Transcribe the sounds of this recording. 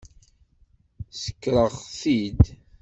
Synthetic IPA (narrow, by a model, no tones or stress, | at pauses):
sə̥kːɾˤəʁθid̪